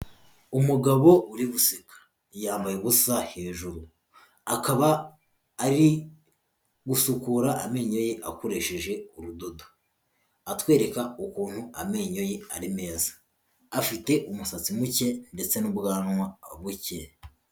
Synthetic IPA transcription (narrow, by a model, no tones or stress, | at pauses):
umuɡaβo̞uɾiβusikḁ | jaːmbajeβusahe̞ːʒuɾu | akaβaː | ɾi | ɡusukuɾaʔame̞ɲo̞jeʔa̰koɾe̞ʃe̞ʒe̞uɾudo̞do | atwe̞ːɾe̞kaukuːn̥huame̞ɲo̞je̞aɾime̞ːzḁː | fite̞ʔumusat͡simuce̞nde̞t͡se̞nubɡaːnwaβuce